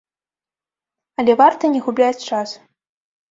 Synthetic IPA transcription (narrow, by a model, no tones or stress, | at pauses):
ɐlʲɛvart̪ɐnʲɛɣublʲat͡sʲt͡ʂas